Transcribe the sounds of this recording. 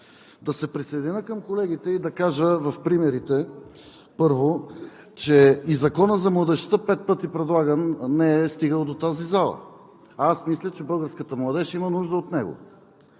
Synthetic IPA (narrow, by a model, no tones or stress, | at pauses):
d̪ɐsɛpɾisɐjd̪inʲəkəmkolɛɡ̟ʲit̪ɛid̪ɐkaʒəvɐfpɾimɛɾit̪ɛ | pɤɾvo | t͡ʃɛizɐkɔnəzɐmlˠɐd̪ɛʃt̪əpɛt̪̚pɤt̪ipɾɛd̪lˠaɡənnɛɛst̪iɡəlˠd̪ot̪azizalˠə̰ | asmislʲət͡ʃɛbɤlˠɡəɾskət̪əmlˠɐd̪ɛʃimənuʒd̪əot̪nɛɡo̰